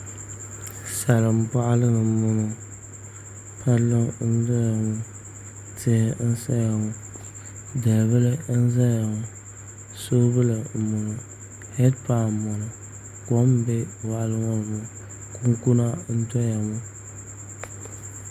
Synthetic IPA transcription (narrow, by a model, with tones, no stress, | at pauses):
sa˨lɨ˨m˦pa˦ʔa˦lɨ˦nɨ˨mʊ˨nɨ˨ | pʰa˦lːɨ˦ŋ˦n̩˦za˦ja˨ŋʊ˦ | tɪ˦hɪ˦n̩˦sa˦ja˨ŋu˨ | da˨βɨ˦lɨ˦n̩˦za˦ja˨ŋʊ˨ | so˦bɨ˦lɨ˨mʊ˨nu˨ | hɛ˦dpa˨mɔ˨nɨ˨ | ko˦m˦bɛ˦wa˨ʔa˦lɨ˦ŋɔ˦˨mʊ˨ | ku˦ŋ˦ku˦na˦n̩˦tɔ˦ja˨ŋu˦